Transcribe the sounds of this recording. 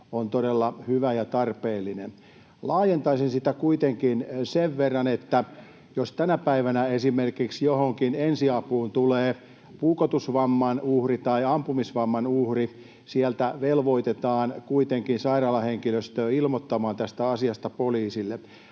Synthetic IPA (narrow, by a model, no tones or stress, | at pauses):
ont̪odelːɑhyʋæjɑt̪ɑrpeːlːinen | lɑːjent̪ɑisinsit̪ækuit̪eŋkinseʋʋerːɑnet̪ːæ | jost̪ænæpæiʋænæesimerkiksjohoŋkinensiɑpuːnt̪uleː | puːkot̪usʋɑmːɑnuhrit̪ɑiɑmpumisʋɑmːɑnuhri | siælt̪æʋelʋoit̪et̪ɑːnkuit̪eŋkinsɑirɑːlɑheŋkiløst̪øːilmot̪ːɑmɑːnt̪æst̪æɑsiɑst̪ɑpoliːsilːe